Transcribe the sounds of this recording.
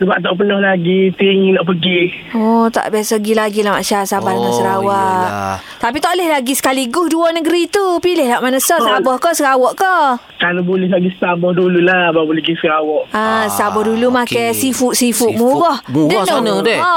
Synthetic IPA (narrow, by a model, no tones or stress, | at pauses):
səbaʔt̪aʔp̬ənɔhlaɡit̪iŋnaʔpəɡi | ɔt̪a̰ʔbiasɔɡilaɡilahma̰ʔʃasabahdəŋansəɾawaʔʔ | t̪apit̪aʔlɛhlaɡisə̥kaliɡʊhduɔnəɡəɾit̪upilɪhlawʔmanəsəsabɔhkəsəɾawɔʔkə | kalabolɛɦlaɡistabɔhdululahbabolɛɡisəɡawɔʔasabɔhdulumakajsifuʔsifuʔmuɡɔhdənɔnɔdɛ